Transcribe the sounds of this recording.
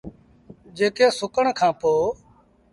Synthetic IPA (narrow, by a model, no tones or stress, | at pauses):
d͡ʒeːkeːsʊkəɳkʰãːpoː